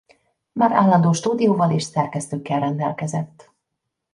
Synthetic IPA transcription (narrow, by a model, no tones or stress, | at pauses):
maːɾaːlːɒnd̪oːʃt̪uːd̪ijoːvɒleːʃsɛrkɛst̪øːkːɛlrɛnd̪ɛlkɛzɛt̪ː